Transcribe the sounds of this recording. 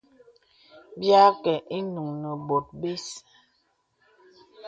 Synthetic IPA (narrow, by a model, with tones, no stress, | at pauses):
bja˦kɛ˨ʔi˦nu˨ŋnə˨bo˨t̚be˦s